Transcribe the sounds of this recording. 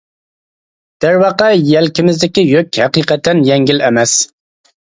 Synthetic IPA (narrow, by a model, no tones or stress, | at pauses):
d̪̥æɾwɑqɑjɛlkʲɪmɪzd̪ɪkʲijøkʲhæqiːqɑt̪ʰːɛnjɛŋɡʲilɛmɛs